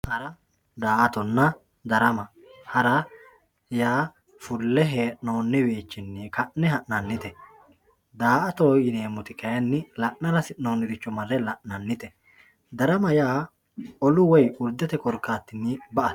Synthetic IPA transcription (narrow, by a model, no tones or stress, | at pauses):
hɐɾɐ | d̪aːʔɐt̪ɔnːɐ | d̪ɐɾɐmɐ | hɐɾɐ | jaː | fʊlːɛɦeːʔnoːnːɛbeːt͡ʃːɪnːɛkɐʔnːɛɦɐʔnɐnːɪt̪ɛ | d̪aːʔɐt̪oːjɪneːmʊt̪ɪkɐjɐnːɪlɐʔnɐɾɐsɪnoːnːɪd̪ɪt͡ʃːɔmɐrːɛlɐʔnɐnːɪt̪ɛ | d̪ɐɾɐmɐjaː | ɔlʊwɔjʊɾd̪ɛt̪ɛkɔɾkːaːt̪ːɪnːɪbɐʔɐ̥